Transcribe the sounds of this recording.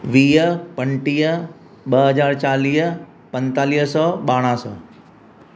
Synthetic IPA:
ʋiːpəɳʈiːə | ɓəɦəd͡ʒaːɾt͡ʃaːliːɦ | pə̃nt̪aːliːɦsɔɓaːɽ̃ãːsɔ̰

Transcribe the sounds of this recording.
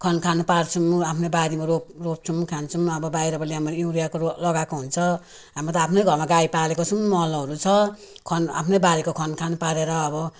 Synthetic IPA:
kʰʌnkʰanupart͡sʰuapʰnʌbaɾimaroprop̚t͡sʰumkʰant͡sʰumʌbʌbajɾʌbʌliɦamʌiwɾijakolʌɡakoɦunt͡sʰʌ | ɦamat̪ʌapʰnʌjɡʱʌrmaɡajpalekot͡sʰunmʌlɦʌɾut͡sʰʌ | kʰʌna̰pʰnʌjbaɾikokʰʌnkʰanupaɾeɾʌːbʌ

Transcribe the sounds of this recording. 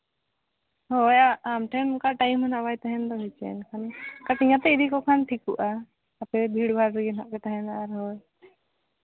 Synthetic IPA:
hɔjaamʈʰɛnkaʈajmənabajt̪aɦɛ̃nd̪ɔɦɛt͡ʃɛ̰nkʰankaʈiɲat̪ɛid̪ikɔkʰanʈʰikuʔa | apɛbʱiɽbʱaɾɾɛɡɛnaʔkɛt̪aɦɛ̃naɾɦɔj

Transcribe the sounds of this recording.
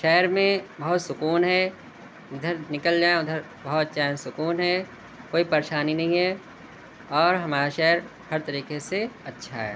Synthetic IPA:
ʃɛːəɾmẽbɐɦʊt̪sʊkuːnɦɛː | ʊd̪ʱəɾnɪkəld͡ʒaːeʊd̪ʱəɾ | bɐɦʊt̪̚t͡ʃaːnsʊkuːnɦɛː | koːipɐɾeʃaːninɐɦĩɦɛ | ɔːɾɦɐmaːɾaʃɛːəɾ | hɐɾt̪ɐɾiːkeseɐtːʃʰaɦɛ̰ː

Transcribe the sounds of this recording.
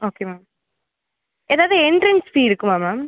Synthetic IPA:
oːkemaːm | eːðaːʋðɯɛnɖɾɪŋsfiːɪɾɯkːɯmaːmaːm

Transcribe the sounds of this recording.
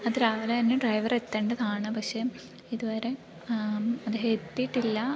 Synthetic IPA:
ɐðɾaːʋɐlɐt̪ɐnːeɖrɐjʋɐre̞t̪ːeːɳɖɐðaːɳɨpɐkʂe̞ | iðuʋɐɾe̞ | ɐd̪eːɦɐet̪ːiʈːilːɐ

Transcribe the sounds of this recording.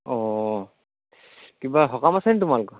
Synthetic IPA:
ɔ | kibaɦɔkamasɛnɛtʊmalʊkɔ

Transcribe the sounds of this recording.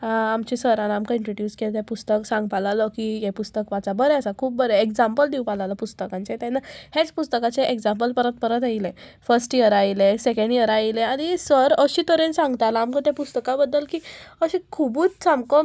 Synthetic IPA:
ɦãamt͡ɕisəɾanamkəĩɳʈɾoɖjuːskelt̪epust̪əksãŋɡ̚palalɔkijepust̪əkʋat͡sabəɾeəsakʰuːp̚bəɾeekd͡zãmpəld̪iwpalaləpust̪əkãnt͡set̪enːahet͡spust̪əkat͡seʔeɡd͡zãmpəlpəɾət̪̚pəɾət̪ailẽ | fəɾsʈjəɾailesekə̃ɳɖjəɾaileaɽ̃isəɾəɕĩt̪əɾensãŋɡt̪alaːmkə̃t̪apust̪əkãbəd̪ːəlkiəɕĩkʰubuːt͡ssamkɔ

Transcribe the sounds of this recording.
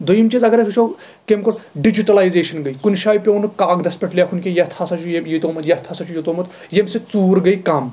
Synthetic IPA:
d̪ojimt͡ʃizɐɡɐɾɐkʰut͡ʃʰo | kemkoɾɖid͡ʒiʈɐlaːjzeːʃɐnɡɐikunʲʃaːjpʲeunɨkaːɡd̪ɐspʲeʈʰlʲekʰunkʲejɐt̪ʰɐsɐt͡ʃʰujejit̪oːmɐt̪jɐt̪ʰɐsɐt͡ʃʰujit̪oːmɐt̪ | jemset͡suːɾɡɐjkɐm

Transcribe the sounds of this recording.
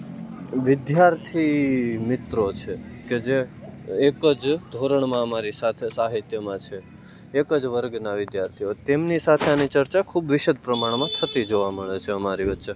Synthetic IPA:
ʋɪd̪jaɾt̪ʰimɪt̪ɾot͡ʃʰeked͡ʒeː | kəd͡ʒd̪ʱoɾəɳmãəmaɾisat̪ʰesaɦit̪jəmãt͡ʃʰeː | kəd͡ʒʋəɾɡnaʋɪd̪jaɾt̪ʰiot̪emnisat̪ʰeanit͡ʃəɾt͡ʃakʰubʋɪʃəd̪̚ʱpɾəmaɳmãt̪ʰət̪id͡ʒoʋaməɭet͡ʃʰeəmaɾiʋətːʃe

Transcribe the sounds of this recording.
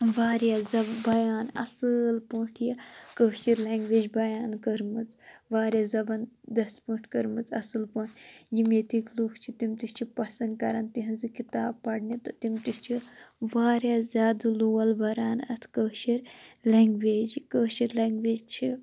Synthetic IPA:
ʋaːɾjaːzɐbbɐjaːnɐ̰sɨlpoːʈʰjɐkəːʃiɾleːŋɡʋeːd͡ʒbɐjaːnkəɾmɨt͡sʋaːɾʲjaːzɐbɐnd̪ɐspuːʈʰkɐɾmɨt͡sɐsɨlpɐːɳʈʰjimeːt̪ikluːkt͡ʃʰit̪imt̪ist͡ʃʰipɐsɐnd̪̚kɐɾaːnt̪iɦɐnzɨkit̪aːbpɐɽnit̪ɨt̪imt̪ist͡ʃʰiʋaːɾjaːzʲjaːd̪ɨluːwɐlbɐɾaːnɐ̰t̪ʰkəːʃiɾleŋɡʋeːd͡ʒkəːʃiɾleːŋɡʋeːd͡ʒt͡ʃʰi

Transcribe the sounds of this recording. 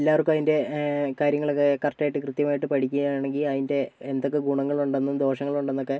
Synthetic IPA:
lːaːʋɐrkːɨmɐðinde̞kaːɾjɐŋːɐɭokːekɐrtːaːjiʈːɨkrɨt̪jɐmaːjiʈːɨpɐʈʰikʲːuɣɐaːɳeŋɡilɐðinde̞end̪o̞kːeɡuɳɐŋːɐɭuɳɖenːumd̪o̞ːɕɐŋːɐɭuɳɖenːo̞kːe̞

